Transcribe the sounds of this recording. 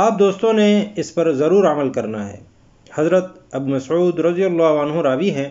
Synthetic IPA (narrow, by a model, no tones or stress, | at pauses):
aːp̚d̪oːst̪õneɪspɐɾzɐɾuːɾɐməlkɐɾnaɦɛ̰ː | hɐzɾət̪̚ | ɐbmɐsʕuːd̪ɾɐd̪ijəlːaːɦənɦõɾaːbiɦɛ̃ː